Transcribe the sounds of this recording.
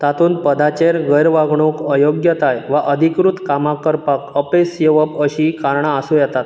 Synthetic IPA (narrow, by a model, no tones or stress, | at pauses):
t̪at̪uːnpəd̪at͡ɕeɾɡəjɾʋaɡɳokəjoɡjət̪ajʋaʔəd̪ʱikɾut̪kamakəɾpakəpesjeʋəpəɕiːkaɾɳaːsujɛt̪at̪